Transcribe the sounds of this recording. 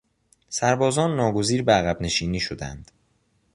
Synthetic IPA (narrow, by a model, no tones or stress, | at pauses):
sæɾbɒːzɒːnːɒːɡo̞ziːɾbeæɣæbne̞ʃiːniːʃod̪æ̰nd̪̥